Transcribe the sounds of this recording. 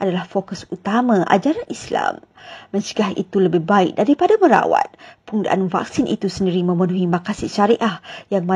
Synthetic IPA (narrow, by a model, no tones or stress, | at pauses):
ʔadalahfokʊsut̪amãʔa̰d͡ʒaɾanʔisla̰mːə̃ɲt͡ʃəɡaɦḭt̪uləbɪhbaɪk̚daɾipadaməɾa̰wa̰t̪̚puŋda̰ʔanva̰k̚sinʔḭt̪usəndiɾimə̃mənuɦimakasiʃaɾiʔahjaŋmã